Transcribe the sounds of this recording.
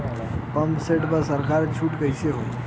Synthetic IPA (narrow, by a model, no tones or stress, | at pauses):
pəmseʈpəsəɾkʰaɾt͡ʃʰuʈkəjseɦoj